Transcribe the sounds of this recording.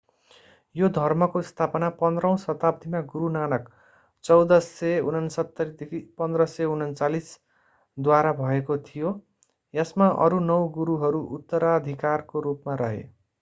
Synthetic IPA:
jod̪ʱʌrmʌkoist̪ʰapʌnapʌnd̪rʌw̃sʌt̪ab̚d̪ʱimaɡuɾunanʌk | t͡sʌwd̪ʌseunʌnsʌt̪ːʌɾd̪ipʌnd̪rʌseunʌnt͡salis | d̪waɾabʱʌekot̪ʰijo | jesmaʔʌ̰ɾunʌwɡuɾuɦʌɾuʔut̪ːʌɾad̪ʱikarkoɾupmaɾʌɦḛ

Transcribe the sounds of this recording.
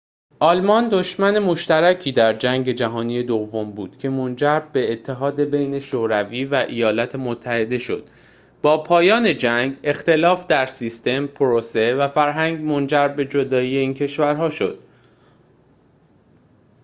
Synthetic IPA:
ʔɒːlmɒnd̪o̞ʃmæne̞mo̞ʃt̪æɾæcʰiːd̪æɾd͡ʒæŋɟe̞d͡ʒæɦɒːnijed̪ovːo̞mbuːd̪̥cʰe̞mond͡ʒæɾbbe̞ːt̪ʰːe̞ɦɒːd̪e̞be̞jne̞ʃoːɾæviːvæʔejɒːlæt̪ʰemot̪ʰːæhe̞d̪e̞ʃo̞̰d̪̥ | bɒːpʰɒːjɒːne̞d͡ʒæŋɡe̞xt̪e̞lɒːfd̪æɾsist̪e̞mpʰoɾose̞væfæɾɦæŋɟmo̞nd͡ʒæɾbe̞d͡ʒo̞d̪ɒːiːje̞iːncʰe̞ʃvæɾɦɒːʃo̞̰d̪̥

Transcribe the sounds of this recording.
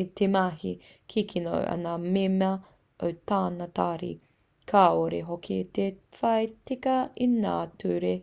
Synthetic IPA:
tʰemɐɦi | kʰikʰino̰wʔɐ̰namemɐ | o̰wtaːnɐtaːɾḭ | kʰaːoɾeɦokʰit̪efɐjtikɐina̰ːtʰuːɾe

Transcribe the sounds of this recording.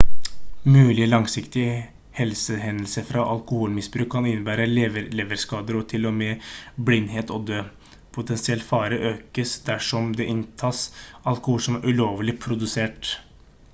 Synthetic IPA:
mʉːlɪəlɑŋsɪkt̪ɪ | hɛlsəɦɛnəlsəfɾɑʔɑlkʊhuːlmɪsbɾʉːkʰːɑnɪnːəbæːɾəleʋəɾleːʋəɾskɑːd̪əɾɔt̪ʰɪlːɔmeblɪnːɦeːt̪ɔd̪øː | pʰʊt̪ʰɛnsɪɛlt̪fɑːɾəʔøːkəsd̪æʂɔmd̪ɛʔɪnt̪ʰɑːsɑlkʊhuːlsɔmæɾʉloːʋlɪpʰɾʊd̪ʉseːʈ

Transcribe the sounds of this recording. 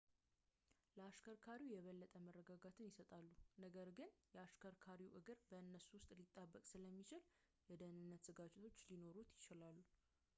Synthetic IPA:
ləaʃkʰəɾkʰaɾiwjɛβəlːət̪ʼəmərːəɡaɡat̪ʰɨnjɪsət̪ʼalːunəɡəɾɡɨnjɛaʃkʰəɾkʰaɾiwʔɨɡɨɾbəɨnːəsuwʊst̪ʼlit̪ʼːəbːəkʼsɨləmːit͡ʃɪl | jɛd̪ənɨnːət̪zɨɡat͡ʃʼɛt̪ʰo̞t͡ʃːlino̞ɾut̪jɪt͡ʃɪlalːu

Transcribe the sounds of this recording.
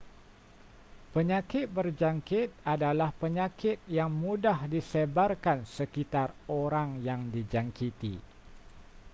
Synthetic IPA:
pəɲakɪt̪̚bərd͡ʒaŋkɪt̪̚adalahpəɲakɪt̪̚jaŋmudahdisebarkansəkit̪aroɾaŋjaŋdid͡ʒaŋkit̪ḭ

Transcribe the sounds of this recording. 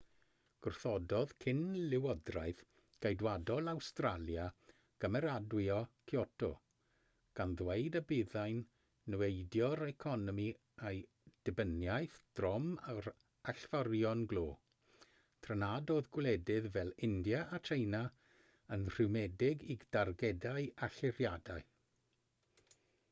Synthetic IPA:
ɡ̥ʊrθɔdɔðkʰɪnlɪwɔdrajθ | ɡ̥ejdwadɔlˠawstralˠja | ɡ̥əmɛɾadwiɔkʰiɔtʰɔ̰ | ɡ̥anðwejdəbɪðajnː | wejdjɔɾɛkʰɔnɔmi | ej | d̥ɪbənjajθd̥rɔmaɾ | aɬvɔrjɔnɡlˠoː | tʰrənadoːðɡwlɛdɪðvɛlˠɪndjaʔːtʰejna | ənr̥ɪwmɛdɪɡid̥arɡɛdajaɬɪrjadaɨ

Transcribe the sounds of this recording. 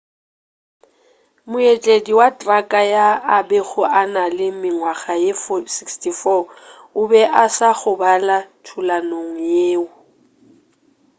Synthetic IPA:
mʊet͡ɬʼediwatʼrakʼajaːbɛɣʊʔanalɪmɪŋwaɣajefɔsikstʰʼifɔ | ʊbɛʔasaɣʊbalatʰulanoŋ̩jeːʊ

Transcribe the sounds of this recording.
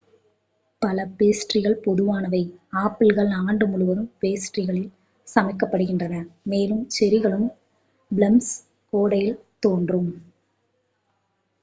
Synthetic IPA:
pɐlɐpeːsʈrɪɣɐɭpɔðɯʋaːnɐʋɐɪaːpːɪlɣɐɭaːɳɖɯmʊɭʊʋɐðɯmpeːsʈrɪɣɐɭɪl | sɐmɐɪkːɐpːɐɽɯɣɪndrɐnɐmeːlɯmt͡ʃɛɾɪɣɐɭɯm | blɐms | koːɽɐjɪlt̪oːndrɯm

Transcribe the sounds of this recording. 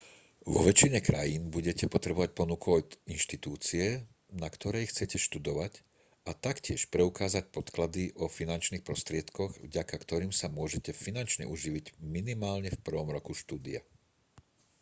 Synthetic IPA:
ʋɔ̰ʋɛt͡ʃiɲɛkɾajiːnbuɟɛcɛpɔt̪ɾɛbɔʋac̚pɔnukuinʃt̪it̪uːt͡siɛ | nakt̪ɔɾɛjxt͡sɛcɛʃt̪ud̪ɔʋac | at̪akcɪɛʃpɾɛukaːzac̚pɔt̪klad̪iʔɔfinant͡ʃniːxpɾɔst̪ɾɪɛt̪kɔɣvɟakakt̪ɔɾiːmsamʊɔʒɛcɛfinant͡ʃɲɛ̰ʔuʒiʋiɟminimaːlɲɛfpr̩ʋɔmɾɔkuʃt̪uːd̪ia̰

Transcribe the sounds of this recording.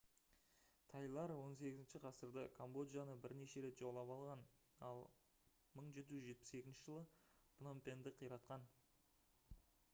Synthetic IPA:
t̪ʰɑjlˠɑɾwo̞ns̬e̞ɡʲɪzɪnʃɪqʰɑsəɾd̪əkʰombo̞d̪janəbɪɾne̞ʃe̞ɾe̞t̪ʒolˠːɑpɑlˠʁɑn | ɑlˠ | məɴʒe̞t̪ɪʒʏzʒe̞t̪̚pɪ̥se̞kʲɪnʃɪʒəlˠəpʰnompʲe̞nd̪ɪqʰəjɾɑt̪qɑn

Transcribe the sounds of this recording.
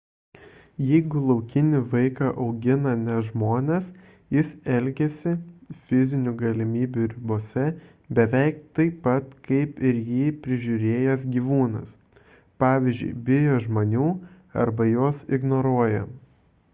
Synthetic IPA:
jɛɪɡʊlˠɒʊkʲɪnʲɪʋɐɪkɑʔɒʊɡʲɪnɐnʲɛʒmoːnʲɛs | jɪsɛlʲɡʲɛsʲɪfʲɪzʲɪnʲʊɡɐlʲɪmʲiːbʲʊɾʲɪboːsʲɛ | bʲɛʋʲɛɪk̚t̪ɐɪpɐt̪kɐɪpɪɾjiːpʲɾʲɪʒʲʊɾʲeːjɛs̬ɡʲiːʋuːnɐ̰s | pɑːʋʲizʲd͡ʒʲʊ̰ɪbʲɪjoːʒmoːnʲuː | ɐ̰ɾbɐjoɔsɪɡnoɾuɔjɛ

